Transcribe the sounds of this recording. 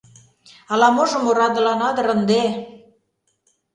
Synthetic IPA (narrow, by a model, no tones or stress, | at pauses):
ɑlɑmoʒɤ̆moɾɑd̪ə̆lɑnɑd̪ɤ̆ɾə̆nd̪e